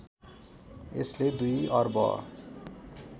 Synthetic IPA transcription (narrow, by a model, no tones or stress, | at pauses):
ḛsled̪ujʌrbʌ̰